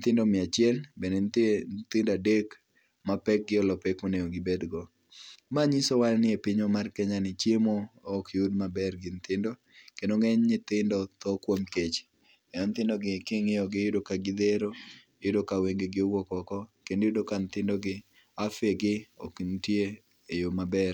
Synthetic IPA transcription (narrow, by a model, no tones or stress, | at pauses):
nt̪ɪndɔmɪat͡ʃɪɛlbenentnt̪ɪndadek | mapɛk̚ɡɪɔlɔpekoneoɡɪbed̪ɡɔ | maɲisowalnɪepɪɲomarkɛɲanɪt͡ʃjemoɔkjudmabɛrɡɪnt̪ɪndo | kenoŋɛɲɲɪt̪ɪndɔt̪ɔkwomket͡ʃ | kɛnɔnt̪ɪndɔɡɪkɪŋejɔɡɪjʊdokaɡɪd̪eɾoejʊdokaweŋɡeɡɪɔwɔkɔkɔkenjudokant̪ɪndɔɡɪ | afeɡɪɔ̰kntje | ejomabɛr